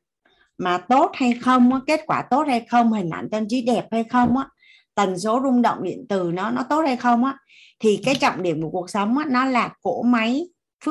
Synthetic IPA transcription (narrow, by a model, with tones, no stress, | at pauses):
maː˨˩t̪o˦˥t̚ha˧jxə˧wŋ͡mʔaː˨˧˦ke˦˥t̚kwaː˧˩t̪o˦˥t̚ha˧jxə˧wŋ͡mhï˨˩ŋ̟ʔa̰ː˧˩nt͡ɕə˧nt͡ɕi˨˦ɗɛ˨˩p̚ha˧jxə˧wŋ͡mʔaː˧˦˥ | t̪ə˨˩nso˨˦zʊ˧ŋ͡mɗə̰˧˨wŋ͡mɗḭ˧˨ənt̪ɨ˨˩nɔ˨˦nɔ˨˦t̪o˦˥t̚ha˧jxə˧wŋ͡mʔaː˧˦˥ | t̪ʰi˨˩kaː˨˦jt͡ɕɔ̰˧˨ŋ͡mɗi˧˩əmku˨˩ku˨˩ək̚sə˨˦wŋ͡mʔaː˧˥nɔ˨˦laː˨˩ko˧˥ma˨˦j | fɨ˦˥